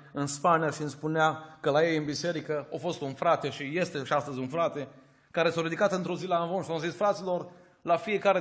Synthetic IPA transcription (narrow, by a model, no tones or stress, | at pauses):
ɨnspanijaʃiɨnspuneakəlaje̞jɨnbise̞ɾikəafo̞st̪unfɾat̪e̞ʃije̞st̪e̞ʃiast̪əzʲunfɾat̪e̞ | kaɾe̞sawɾid̪ikat̪ɨnt̪ɾo̞zilanvonʃazisfɾat̪silo̞r | lafijekaɾe